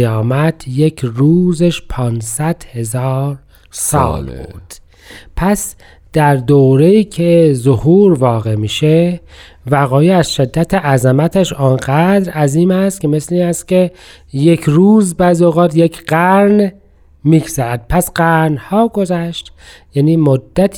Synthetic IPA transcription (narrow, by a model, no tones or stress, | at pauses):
jɒːmæt̪ʰje̞cʰɾuːzeʃpʰɒːnsæd̪̥he̞zɑːɾ | sɒ̰ːlbṵːd̪̥ | pʰæs | d̪̥æɾd̪oːɾe̞iːcʰezohuːɾvɒːɣe̞miːʃe | væɣɒːjeæzʃe̞d̪ːæt̪ʰeʔæzemæt̪ʰeʃɒnɢæd̪ɾæziːmæst̪kʰʲeme̞sleiːnæst̪kʲe | je̞kʰɾuːzbæzoɣɑːt̪jekʰɢ̥æɾn | miːɡzæɾæd̪̥̚pʰæsɢæɾnhɒːɡo̞zæʃt̪jæːniːmod̪ːæt̪ʰ